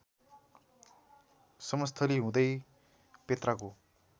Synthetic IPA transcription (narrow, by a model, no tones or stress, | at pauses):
sʌmʌst̪ʰʌliɦũd̪ʌj | pet̪rako